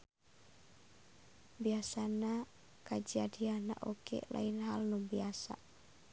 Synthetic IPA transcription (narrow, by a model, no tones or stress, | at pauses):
biasana | kad͡ʒadiana̰ʔokɛ̰la̰inɦalnubiasa̰